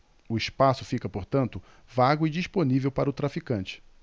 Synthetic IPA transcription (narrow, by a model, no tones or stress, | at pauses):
ʊɪspasʊfikɐpoɾt̪ɐ̃nt̪ʊ | vaɡʊɪd͡ʒiʃponivewpaɾɐʊt̪ɾafikɐ̃nt͡ʃɪ̥